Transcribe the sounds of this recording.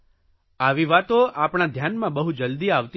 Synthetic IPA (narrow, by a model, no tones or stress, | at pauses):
aʋiʋat̪oʔapɳ̃ad̪ʱjanmãbəɦud͡ʒəld̪iaʋt̪